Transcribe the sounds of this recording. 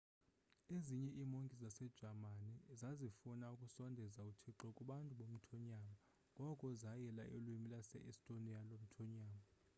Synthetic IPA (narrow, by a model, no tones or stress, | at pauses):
eziɲɛʔimoŋkʼizasɛd̥ʒ̥ʱamanizazifunaukʼusɔndʱɛzautʰiǃɔkʼuɓantʼuɓom̩tʰɔɲama | ŋɡʱɔkʼɔzajɛlaʔelwimilasɛ̰ʔɛstʼonialom̩tʰɔɲaːma